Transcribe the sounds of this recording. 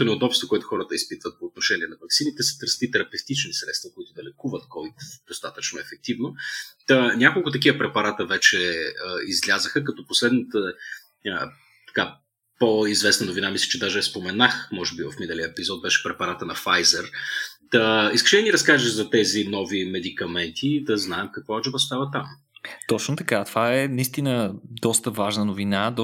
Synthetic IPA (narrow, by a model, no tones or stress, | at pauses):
onɛod̪ɔpst̪vokoɛt̪ʊ̥xɔɾət̪əispit̪vət̪̚poːt̪noʃɛniɛnɐvɐksinit̪ɛsə̥t̪əɾst̪it̪ɛɾɐpɛft̪it͡ʃnisɾɛt̪st̪vɐkoit̪ʊd̪ɐlɛkuvət̪̚kɔvit̪d̪̥ost̪at̪ət͡ʃnoɛfɛk̚t̪ivnoənʲakolˠkʊt̪ɐk̬ivəpɾɛpɐɾat̪əvɛt͡ʃɛəizlʲazəxəkɐt̪ɔposlɛd̪nət̪ə | ə | t̪ɐ̥ka | poizvɛsnɐnʊvinamislʲɛ̥t͡ʃɛd̪aʒɛspomɛnaxmɔʒɛbivɐfminɛliəɛpizɔt̪̚bɛʃɛ̥pɾɛpɐɾat̪ənɐfajzɛɾt̪əiskə̥ʃɛd̪əniɾɐskaʒəʒzɐt̪ɛzinɔvimɛd̪ikɐmɛnt̪ʰid̪ɐznaɛmkɐkvɔat͡ʃɛvɐst̪avət̪am | t̪ɔt͡ʃnot̪ɐkat̪ovaɛnɐist̪inəd̪ɔst̪əvaʒnənovinad̪